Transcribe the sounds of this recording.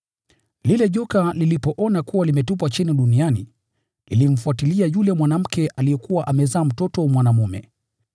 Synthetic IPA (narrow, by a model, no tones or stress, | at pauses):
lilɛʄɔkalilipɔʔɔnakuwalimɛtupat͡ʃiniɗunianḭ | lilim̩fuatiliajulɛmwanam̩kɛʔalijɛkuwaʔamɛzaːm̩tɔtɔmwanamumɛ̰